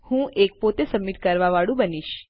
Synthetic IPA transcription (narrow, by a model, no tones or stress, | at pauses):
hũʔek̚pot̪esəmːiʈ̚kəɾʋaʋaɽũbəniʃ